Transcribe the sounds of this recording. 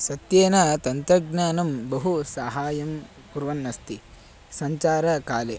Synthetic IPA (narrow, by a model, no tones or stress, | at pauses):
sɐt̪jeːnɐt̪ɐnt̪ɾɐɡnaːnɐmbɐɦusaːɦaːjɐm | kuɾʋɐnːɐst̪i | sɐɲt͡ʃaːɾɐkaːle